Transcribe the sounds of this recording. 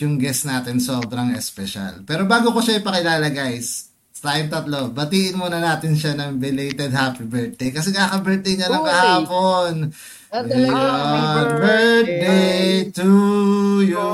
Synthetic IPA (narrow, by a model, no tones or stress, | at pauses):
jʊŋɡɛsnaːt̪ɪnso̞ːbɾɐŋɛspɛʃa̰lpɛːɾo̞baːɡokoʃaɪjpɐkɪlaːlɐɡajs | ɐt̪aːjɪŋt̪ɐt̪lo̞bɐt̪iːʔɪnmuːnɐnaːt̪ɪnʃanɐŋbɪlejt̪ɛd̪̚haːpibɛɹt̪̚d̪ejkɐs̬ɛŋaːkɐbɛɹt̪̚ejɲɐnɐŋkɐhaːpo̞n | obɛt̪̚d̪ejt̪u | j